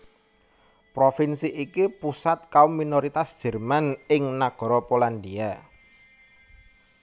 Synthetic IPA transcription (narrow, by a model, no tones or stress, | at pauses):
pɾofinsiikipusat̪̚kaumːinoɾit̪asd̥ʒ̥ə̤rmanɪŋnaɡ̥ɔ̤ɾɔpoland̪ia